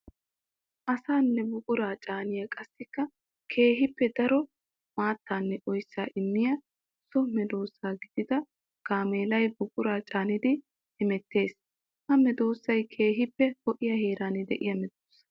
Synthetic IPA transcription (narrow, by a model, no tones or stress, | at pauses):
ʔɐsaːnːɛbʊɡʼʊɾaːt͡ʃʼaːnɪjɐkʼɐsːɪkːɐ | kʰe̞ːɦɪpːɛd̪ɐɾɔ | maːt̪ːaːnːɛʔɔjsːaːʔɪmːɪjɐ | sɔmɛd̪o̞ːsːaːɡɪd̪̥ɪd̪ɐ | ɡ̥aːmeːlɐjbʊɡʼʊɾaːt͡ʃʼaːnɪd̪ɪ | hɪmɛt̪ːe̞ːs | hɐmɛd̪o̞ːsːɐjkʰe̞ːɦɪpːɛhɔʔɪjɐhe̞ːɾaːnɪd̪ɛ̰ʔɪjɐmɛd̪oːsːɐ̥